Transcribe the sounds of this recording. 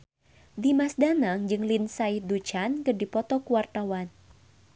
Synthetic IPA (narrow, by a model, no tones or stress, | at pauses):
dimasdanaŋd͡ʒɨŋlinsaihdut͡ʃankɨrdipɔt̪ɔkuwart̪awan